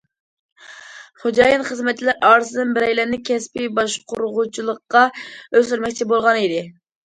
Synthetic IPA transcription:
χod͡ʒɑːjɨnχəzmɛt̪̚t͡ʃʰːilæɾɑːɾɨzɨd̪ɨnbɪɾɛjlæɾnɪkʲʰɛspɪbɑʃqʰʊɾʊʁut͡ʃʰilˠəqːɑøzt̪yɾmɛk̚ʲt͡ʃʰibolˠʁɑnid̪ɪ

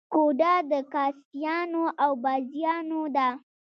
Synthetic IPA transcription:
koɖad̪əkɑst̪ijɑnoʔawbazjɑnod̪a

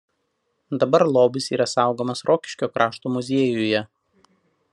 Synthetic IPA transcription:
d̪ɐbɐɾlˠoːbɪsiːɾɐsɑˑʊɡoːmɐsɾʔoːkʲɪ̥ʃʲkʲoːkɾʔɑːʃt̪oːmʊzʲeːjʊjɛ

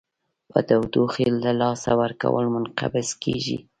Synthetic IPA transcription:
pəd̪awd̪oxelːalɑsawaɾka̰wəlmʊnqabɪskeʒḭ

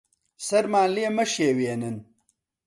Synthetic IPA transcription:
sɐɾmaːnlijemɐʃeweenɨn

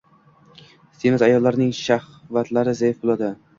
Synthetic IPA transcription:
st̪ʰemɪzajɒlˠːaɾnɪŋʃah | vat̪laɾɪzajɪfbolˠad̪ɪ

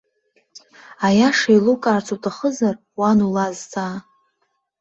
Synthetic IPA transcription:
ajaʂajlukʼaːrt͡sʰutʰaχəzar | wanulazt͡sʰʼa

